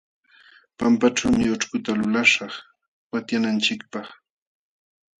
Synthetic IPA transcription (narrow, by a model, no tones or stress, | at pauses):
pampaʈ͡ʂawmɪoʈ͡ʂkʊt̪alʊlaʃɑχ | wat̪janant͡ʃɪkpɑχ